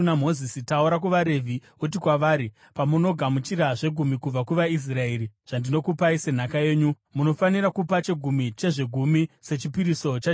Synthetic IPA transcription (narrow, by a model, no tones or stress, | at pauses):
nam̤o̞zisitauɾak̬uʋaɾe̞vʱi | ut̬ikwaʋaːɾi | pamuno̞ɡʱamut͡ʃiɾaʐe̞ɡʱumikub͡vakuʋais̬rae̞ːɾiʐ̥andino̞kupaise̞n̤akaje̞ːɲu | muno̞faniɾakupat͡ʃe̞ɡʱumit͡ʃe̞ʐe̞ɡʱumise̞t͡ʃipiɾiso̞t͡ʃa